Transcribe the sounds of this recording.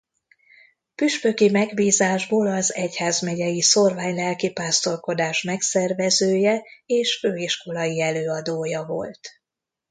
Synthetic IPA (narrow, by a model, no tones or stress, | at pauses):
pyʃpøkimɛɡbiːzaːʒboːlɒzɛchaːzmɛɟɛjiso̞rvaːɲlɛlkipaːst̪o̞lko̞d̪aːʃmɛksɛrvɛzøːjɛeːʃføːiʃko̞lɒjiɛløːɒd̪oːjɒvo̞̰lt̪